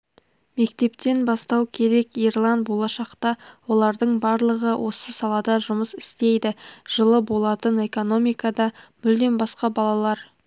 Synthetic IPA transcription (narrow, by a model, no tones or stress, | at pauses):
me̞kt̪e̞pt̪e̞nbɑst̪ɑwkʲʰe̞ɾe̞kijrlˠɑnt̪̚bo̞lˠɑʃɑqt̪ɑwo̞lˠɑɾd̪əɴbɑɾlˠəʁəwʔo̞səsɑlˠɑd̪ɑʒʊməsɪ̥st̪e̞jd̪ɪʒ̥əlˠəbo̞lˠɑt̪əne̞ko̞no̞mijkɑd̪ɑmʏld̪e̞nbɑsqɑbɑlˠɑlˠɑɾ